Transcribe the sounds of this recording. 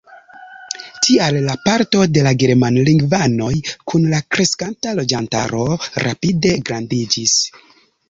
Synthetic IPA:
tialːapaɾto̞de̞laɡe̞ɾmanliŋɡvano̞jkunlakɾe̞skantalo̞d͡ʒanta̰ɾo̞ɾa̰pide̞ɡɾandid͡ʒis

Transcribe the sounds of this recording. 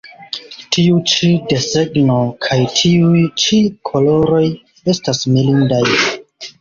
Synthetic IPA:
tʰiut͡ʃide̞seɡno̞kʰajtʰiujt͡ʃikʰo̞lo̞ɾo̞j | e̞stasmilindaj

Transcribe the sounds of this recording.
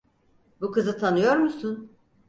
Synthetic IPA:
bukɯzɯt̪ʰanɯjo̞ɾmusun

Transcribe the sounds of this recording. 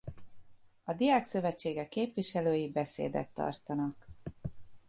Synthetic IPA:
ɒd̪ijaːksø̞vɛt͡ʃːeːɡɛkːeːpʋiʃɛløːjibɛsḛːd̪ɛ̰t̪ːɒ̰rt̪ɒnɒk

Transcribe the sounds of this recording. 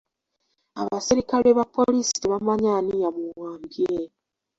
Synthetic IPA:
a̰βasiɾikaleβapolisi̥iβamaɲanijamuwaːmbie

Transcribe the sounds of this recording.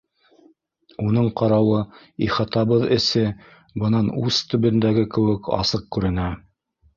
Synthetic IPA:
unɤɴqɑɾɑwɤ | iχɑt̪ɑβɤðɘ̆sɘ | bɤ̆nɑnʉst̪ɵ̆βɘ̆nd̪æɡɘkɘ̆wɘkɑ̰sɤq̚kʉɾɘ̆næ

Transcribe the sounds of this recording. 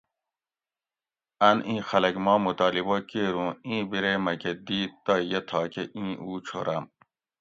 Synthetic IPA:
ɐnĩːxɐlɐkmɔːmut̪aːlibokeɾũːĩːbiɾemɐked̪iːt̪̚ːɑjet̪ʰɑːkʰeʔĩːʔuːt͡ɕʰo̰ɾɐm

